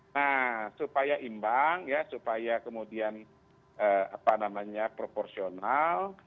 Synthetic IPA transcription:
nasupajaʔimbaŋjasupajakəmudian | əa̰panamaɲapɾoporsional

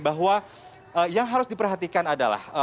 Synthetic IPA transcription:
baɦwa | əjaŋɦaɾʊsdipərɦat̪ikanada̰la̰hə

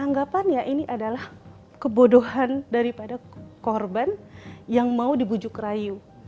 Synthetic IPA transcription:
aŋɡapanjaʔiniʔadalah | kəbodoɦandaɾipadakɔrbanjaŋmaudibud͡ʒʊkraju

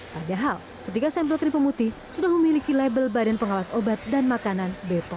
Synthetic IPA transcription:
padaɦal | kət̪ikasɛmpəlkɾipəmut̪isudahməmilikilɛbəlbadanpəŋawasobat̪̚danmakananbet̪ɔ

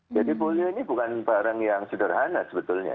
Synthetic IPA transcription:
d͡ʒadipolioinibukanbaɾaŋjaŋsədərɦanasəbət̪ʊlɲa̰

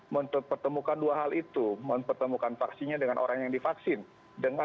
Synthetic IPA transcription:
məmtəpərt̪əmukanduaɦalit̪uməmpərt̪əmukanfaksiɲadəŋanʔo̰ɾaŋjaŋdifaksɪn | dəŋa

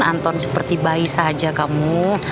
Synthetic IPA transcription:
a̰nt̪ɔnsə̥pərt̪ibaisad͡ʒakamu

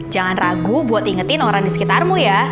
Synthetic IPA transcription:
d͡ʒaŋanraɡubuat̪iŋət̪ɪnoɾaŋdisə̥kit̪armuja

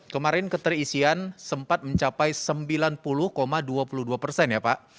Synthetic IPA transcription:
kəmaɾɪnkət̪ərisiansəmpat̪̚məɲt͡ʃapajsəmbilanpulʊhkomaduapuluhduapərsɛnjapaʔ

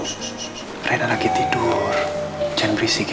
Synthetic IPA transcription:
renalaɡit̪iɖ̥ɔr̥d͡ʒɛnbɾisik

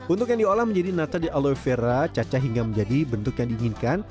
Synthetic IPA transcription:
ʔunt̪ʊk̬̚jaŋdiolahməɲd͡ʒadinat̪adiʔalojfeɾat͡ʃat͡ʃaɦiŋɡaməɲd͡ʒadibənt̪ʊkjaŋdiːŋɪnkan

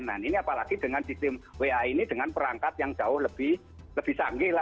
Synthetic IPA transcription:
naniniapalaɡ̥id̥əŋansist̪ɪmweainid̥əŋanpəɾaŋkat̪̚jaŋd͡ʒ̥a̤wʊhləb̥ɪh | ləb̥ɪhsaŋɡɪla

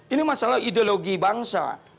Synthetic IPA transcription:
inimasalahideoloɡibaŋsa̰

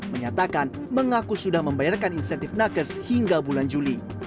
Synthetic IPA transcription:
məɲat̪akan | məŋakusudahməmbajarkaninisɛant̪ɪfnakəshiŋɡabuland͡ʒuli

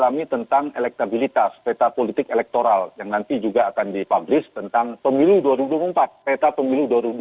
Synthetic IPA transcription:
lamit̪ənt̪aŋelɛk̚t̪abilit̪aspet̪apolit̪ɪkelɛk̚t̪oɾaljaŋnant̪id͡ʒuɡaːkandipablɪst̪ənt̪aŋpəmiluduaɾibuduabuəmpat̪̚pet̪apəmiluduaɾibu

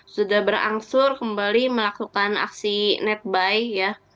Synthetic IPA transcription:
sudahbəɾa̰ŋsʊrkəmbaliməlakukana̰ksinɛt̪̚bajja

